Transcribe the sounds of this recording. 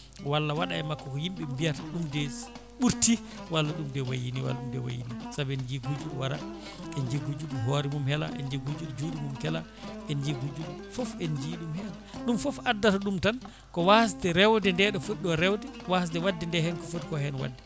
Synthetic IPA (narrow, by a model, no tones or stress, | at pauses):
walːawaɗa̰ɛmakːɔkɔjimɓɛmbijataɗumdɛ | ɓuɾti | walːaɗumdɛwajiniwa̰laɗumdɛwa̰jḭnisabɛɛnd͡ʒiɡud͡ʒulwaɾa̰ | ɛnd͡ʒeɡud͡ʒuɗumɦoɾimumhɛla̰ʔɛ̰nd͡ʒeɡud͡ʒuld͡ʒuːɗimumkɛla | ʔɛnd͡ʒeɡud͡ʒulfɔfɛnd͡ʒiɗumhɛlaɗumfɔfadːataɗumtan | kɔwas̬tɛɾɛwdɛndɛɗɔfotɗɔɾɛwdɛwas̬tɛwadːɛndɛhɛnkɔfotikɔhɛnwa̰dːɛ